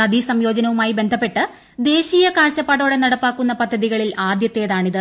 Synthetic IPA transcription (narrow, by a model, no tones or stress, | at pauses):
ɐd̪isɐmjo̞ːd͡ʑɐnɐʋumaːjibe̞nd̪ʱɐpːe̞ʈːɨ | d̪e̞ːɕiːjɐkaːrt͡ɕːɐpːɐːɽo̞ːɽenɐɽɐpːaːkːunːɐpɐd̪ʱːɐðiɣɐɭilaːd̪jɐt̪ːe̞jɐðaːɳiðɨ